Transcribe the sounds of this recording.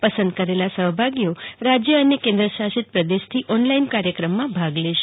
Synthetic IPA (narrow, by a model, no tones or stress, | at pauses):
pəsə̃nd̪̚kəɾelasəɦbʱaɡjoɾad͡ʒjəənekẽnd̪ɾəʃaʃɪt̪̚pɾəd̪eʃt̪ʰiʔɔnlainkaɾjəkɾəmːãbʱaɡleʃe̥